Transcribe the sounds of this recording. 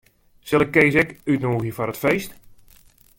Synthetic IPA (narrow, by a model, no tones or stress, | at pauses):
sɛlˠɛkːejsɛkytnoːɣjəfɔɾətfejst